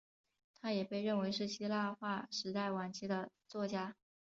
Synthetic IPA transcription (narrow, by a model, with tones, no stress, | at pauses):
t̪ʰa˥jɛ˨˩pe˥˧ɪɻə˥˩nwe˧˥ɪʂɻ̩˥˩ɕi˥la˥˧xwa˥˩ʂɻ̩˧˥t̪a˥˩ɪwa˨˩nt͡ɕʰi˧˥d̪ə˧ | t͡swɔ˥˩t͡ɕja˥